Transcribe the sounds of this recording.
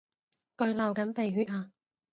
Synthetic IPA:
kɵ˧ɥlɐ˨wkɐ˨˥npe˨jɦyː˨˥t̚aː˧

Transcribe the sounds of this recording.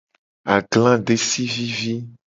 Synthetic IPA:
a˨ɡlã˦ɖe˨si˦vi˦vi˦

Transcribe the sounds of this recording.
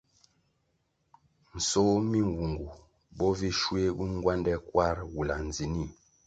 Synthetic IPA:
n̩˨so˦mi˦ŋ˨wu˨ŋɡu˨ | bɔ˦vi˦ʃwe˦bu˦ŋ˦ɡwa˦ndɛ˦kwa˦ɾwu˨la˨n˨d͡zi˨ni˦˨

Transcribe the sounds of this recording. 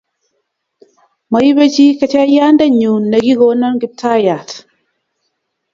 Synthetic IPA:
ma˨ji˦be˦t͡ʃi˦ka˨t͡ʃa˦ja˦nda˦ɲu˨nːe˨ɡi˦ɡo˦nɔ˦nɡi˨tʰːa˦ja˨t

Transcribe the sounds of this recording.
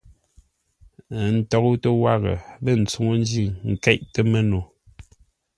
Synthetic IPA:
n̩˨˦tɔ˦ɣu˦tə˦wa˦ɣə̰˨le˦˨n̩˨t͡su˨ŋo˦n˦d͡ʒi˦˨ŋ̩˨kɛ˦ʔte˦me˦no˨

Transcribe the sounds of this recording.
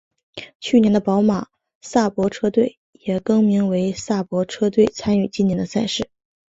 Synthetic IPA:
t͡ɕʰy˥˩njɛ˥nd̪ə˧pɑ˧˥ʊma˨˩ | sa˥˩pwɔ˧˥ʈ͡ʂʰɤ˥t̪we˥˩ɪ | jɛ˨˩kɤ˥ŋmi˧˥ŋwe˧˥ɪsa˥˩pwɔ˧˥ʈ͡ʂʰɤ˥t̪̬we˥˩ɪt͡sʰa˥ny˥˩t͡ɕi˥njɛ˧˥nd̪ə˧sa˥˩ɪʂɻ̩˥˩

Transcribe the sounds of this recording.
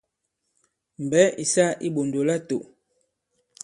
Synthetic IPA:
m̩˨bɛ˨˦ʔi˨sa˦ʔi˦ɓo˨ndo˨la˦to̰˨

